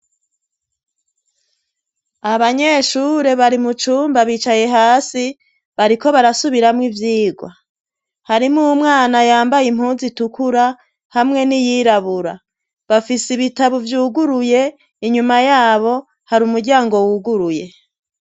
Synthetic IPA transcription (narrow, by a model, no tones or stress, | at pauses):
aβaɲe̞ʃuːɾe̞βaɾimut͡ʃuːmbaβiːt͡ʃaje̞ɦaːsi | βaɾiko̞βaɾasuβiɾamŋivjiːɡwa | haɾimumŋaːnajaːmbajim̥huːnzitukuɾa | hamŋe̞nijiːɾaβuɾa̰ | βafisiβitaβuvjuːɡuɾuje̞ | iɲumajaːβo̞ | haɾumuɾɟaːŋɡo̞wuːɡuɾuje̞